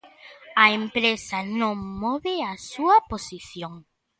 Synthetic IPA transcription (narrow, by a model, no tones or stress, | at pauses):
aempɾesanõŋmɔβeasuaposiθjõŋ